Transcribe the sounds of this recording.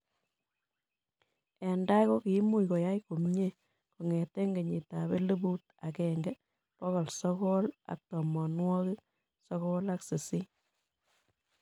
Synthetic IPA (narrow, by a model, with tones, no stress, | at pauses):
ɛ˨nda˦ko˦ki˨˦mu˦jkɔ˨ja˦jko˨mɲe˦ | ko˨ŋɛ˨tɛ˦ŋɡe˨ɲi˨ta˨βe˦le˦bu˦t | a˨kɛŋɡɛ˦ | pɔ˦ɣɔ˨lsɔ˦kɔ˦la̰˨k̚tɔ˨mɔ˨nwɔ˦kɪ˦ | sɔ˦kɔ˦la˦kse˨si˦